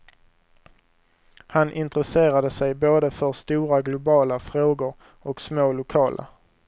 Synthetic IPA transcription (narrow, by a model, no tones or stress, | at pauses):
hanʔɪnt̪ɾəseːɾad̪əsɛjboːd̪əfœɾst̪uːɾaɡlʊbɑːlafɾoːɡʊɾ | ɔksmoːlʊkʰɑːlʔa̰